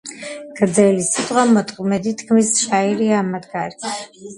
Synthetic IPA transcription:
ɡ̥̪zɛlisit̪ʼχʷʼwamɔt̪ʼqʼmɛd̪it̪ʰkʰmisʃaiɾiamad̪ɡaɾi

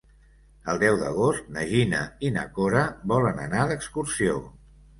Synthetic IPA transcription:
əlˠd̪ɛwd̪ə̰ɣ̞ost̪̚nəʒinə̰inə̰koɾəbɔlənənaðəkskursio

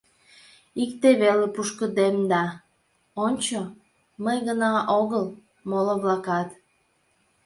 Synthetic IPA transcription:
ikt̪eβelepuʃkəd̪emd̪ɑ | onʲt͡ɕo | məjɣənɑʔoɣəl | moləβlɑkɑt̪

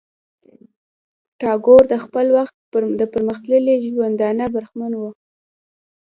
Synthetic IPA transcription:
ʈɑɡoɾd̪əxpəlwaxt̪̚d̪əpəɾməxt̪ləliʒwand̪ɑnabəɾxmanwu

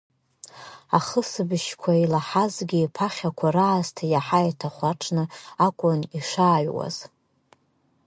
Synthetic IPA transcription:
aχəsɨbɨʃkʷʰailaħazɡʲiːpʰaχʲakʷʰaraːztʰajaħajatʰaχʷaʈ͡ʂʰnɨakʷʼʊniʂaːɥwa̰z̥

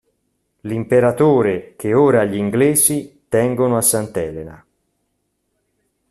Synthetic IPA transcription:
limpeɾat̪oːɾek̟eoːɾaːʎːiŋɡleːzit̪ɛŋɡonoasːant̪ɛːlena̰

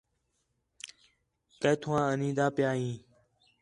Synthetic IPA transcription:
kəːt̪ʰʊãːənĩːd̪aːpɪjaːɦĩː

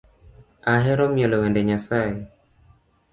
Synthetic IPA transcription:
aɦɛɾɔmjɔlɔwɛndɛɲasae

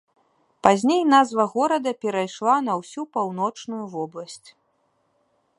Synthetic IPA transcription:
pazʲnʲejnazvɐɣɔɾɐd̪ɐpʲɛɾajʂlˠanɐwsʲupawnɔt͡ʂnujuvɔblˠɐsʲt͡sʲ

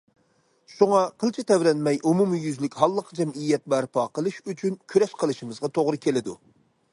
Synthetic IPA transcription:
ʃuŋɑqʰəlˠt͡ʃʰɪt̪ʰɛvɾɛnmɛjʔumumijyzlɪkʲɦɑlˠːəqʰd͡ʒɛmijɛt̪̚bæɾpʰɑːqəlˠɨʃyt͡ʃʰynkʲʰyɾɛʃqʰəlˠɨʃimɨzʁɑt̪ʰoʁɾɨkʲʰelɪd̪u

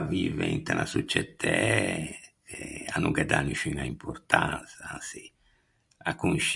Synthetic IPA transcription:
vivɛnt̪anasut͡ʃːɛt̪ʰɛ | ɛanuŋkɛd̪anuʃiŋaimpʰoɾt̪ansasi | akunʃ

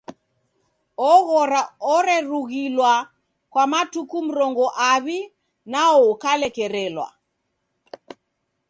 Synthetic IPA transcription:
ɔɣɔɾaɔɾɛɾuɣilwa | kwamatukum̩ɾɔŋɡɔʔaβi | naɔːkalɛkɛɾɛlwa̰

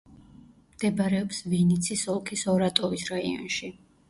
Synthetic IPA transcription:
md̪̥ɛbaɾɛɔpsvinit̪sʰisɔlˠkʰisɔɾat̪ʼɔvisɾaḭɔ̰nʃi

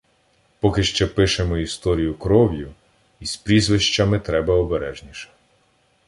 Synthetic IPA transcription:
pɔkɪʃt͡ʃɛpɪʃemɔist̪ɔɾʲijʊkɾɔwjʊ | ispɾʲizʋɪʃt͡ʃɐmɪt̪ɾɛbɐɔbeɾɛʒnʲiʃɛ̥

